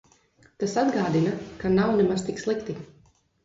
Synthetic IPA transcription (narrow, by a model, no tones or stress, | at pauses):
t̪asad̪ɡaːd̪inakanawnɛmazst̪ikslˠikt̪i